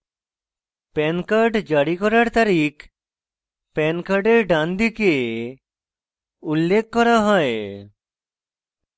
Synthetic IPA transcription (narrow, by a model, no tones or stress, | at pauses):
pɛnkaɾɖd͡ʒaɽikɔɾaɾt̪aɾik | pɛnkaɾɖeɾɖãnd̪ike | ulːekʰːɔɾaɦɔe